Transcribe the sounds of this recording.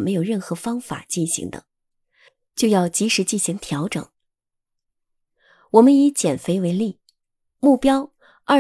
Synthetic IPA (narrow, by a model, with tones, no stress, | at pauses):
me˧˥ɪjo˨˩ʊɻə˥˩nxɤ˧˥fɑ˥ŋfa̰˨˩t͡ɕi˥˩nɕḭ˧˥ŋd̪ə̰˧ | t͡ɕjo˥˧ʊjɑ˥˩ʊt͡ɕi˧˥ʂɻ̩˧˥t͡ɕi˥˩nɕi˧˥ŋt̪ʰjɑ˧˥ʊʈ͡ʂɤ˨˩˦ŋ | wɔ˨˩mə˦ni˧˥t͡ɕjɛ˨˩nfe˧˥ɪwe˧˥ɪli˥˩ | mu˥˩pjɑ˥ʊ | ɐ˥˩